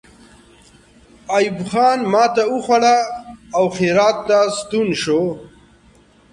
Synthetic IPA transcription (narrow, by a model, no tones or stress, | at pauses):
ajibxɑːnmɑːt̪auxwaɽaːwxeɾɑːt̪ːast̪unʃo